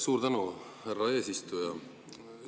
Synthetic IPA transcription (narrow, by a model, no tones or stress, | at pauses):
suːɾt̪ænu | hærːɑe̞ːsist̪ujɑ